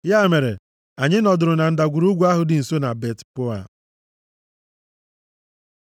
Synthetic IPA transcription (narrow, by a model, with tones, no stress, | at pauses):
ja˦˨me˨ɾḛ˨ | a˨ɲɪ˦nɔ˨dʊ˨ɾʊ˨na˨n̩˨da˨ɡʷu˨ɾu˦ɡʷu˦a˦ɦʊ˨dɪ˨n̩˨so˦na˨be˦tpʊ˦a̰˨